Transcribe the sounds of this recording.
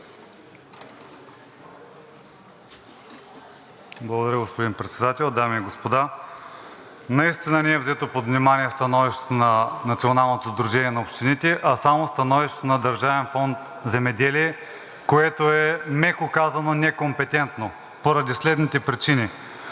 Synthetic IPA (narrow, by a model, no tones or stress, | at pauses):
blˠɐɡod̪ɐɾʲəɡospod̪inpɾɛt̪sɛd̪at̪ɛlˠd̪amiːɡospod̪a | nɐist̪inənɛɛvzɛt̪opod̪vnʲimanʲiɛst̪ɐnɔviʃt̪o̥t̪onɐnɐt̪sionalˠnot̪ozd̪ɾuʒɛnʲiɛnɐopʃt̪init̪ɛʔɐsamost̪ɐnɔviʃt̪ot̪onɐd̪ɐɾʒavɛnfɔnt̪ | zɛmɛd̪ɛliɛ | koɛt̪oɛmɛkokazɐnonɛkompɛt̪ɛnt̪no | poɾɐd̪islɛd̪nit̪ɛpɾit͡ʃini